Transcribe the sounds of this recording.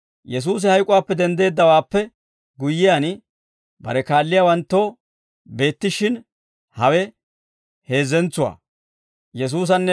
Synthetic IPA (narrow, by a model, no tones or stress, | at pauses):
jɛs̬uːs̬ɪhɐjkʼʊwaːpːɛd̪ɛnd̪e̞ːd̪ːɐwaːpːɛ | ɡʊjːɪjan | bɐ̰ɾɛkaːlːɪjaːwɐnt̪ːoː | be̞ːt̪ːɪʃɪn | hɐwɛ | he̞ːzɛnt͡sːʊwa̰ː | jɛs̬uːs̬ɐnːɛ